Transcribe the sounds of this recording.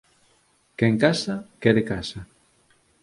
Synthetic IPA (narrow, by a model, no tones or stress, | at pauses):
kɛŋkasakɛɾekasa